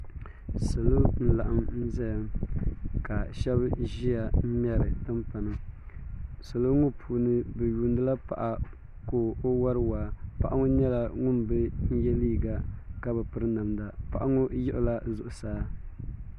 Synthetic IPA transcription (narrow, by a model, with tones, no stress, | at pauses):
so˨lo˦n̩˦la˨ʔa˨mn̩˦zɛ˦jm | ka˨ʃɛ˦bʒi˦a˨m̩˦m˦ɛ˦ɾɨ˨tɨ˦mpa˨nɨ˨ | so˨lo˦ŋʊ˦pʰuː˨nɨ˦bɛ˨ju˨ndɨ˦la˦pa̰˨ʔa˨ | koː˨o˦wa˦ɾɨ˦waː˨pa˨ʔa˦ŋʊ˦ɲɛ˦la˦ŋʊ˦nbɛ˦n̩˦jɛ˦liː˦ɡa˨ka˦bɛ˨pɨ˦ɾɨ˦na˨mda˨pa˨ʔa˦ŋʊ˦jɪ˦ʔʊ˦la˦zʊ˨ʔʊ˨saː˦